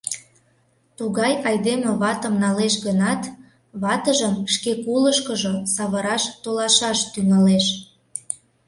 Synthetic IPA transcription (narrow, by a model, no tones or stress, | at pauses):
t̪uɣɑjɑjd̪emə̆βɑt̪ə̆mnɑleʃɣənɑt̪ | βɑt̪əʒəmʃkekuləʃkəʒosɑβəɾɑʃt̪olɑʃɑʃt̪yŋɑleʃ